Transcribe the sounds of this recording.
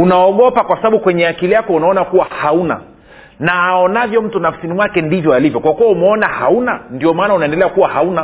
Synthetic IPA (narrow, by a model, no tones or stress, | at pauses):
unaɔɠɔpakwasaɓaɓukwɛɲɛakilijakɔunaɔnakuwahauna̰ | naːɔnavjɔm̩tunafsinimwakɛndivjɔalivjɔkwakuwɔumɛɔnahaunandiɔmaːnaunaɛndɛlɛakuwahauna